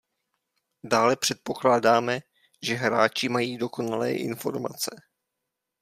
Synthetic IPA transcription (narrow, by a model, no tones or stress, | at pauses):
daːlɛpr̝̥ɛt̪̚po̞klaːdaːmɛ | ʒɛɦɾaːt͡ʃɪmajiːdo̞ko̞nalɛ̰ːʔɪ̰nfo̞̰ɾma̰t͡sɛ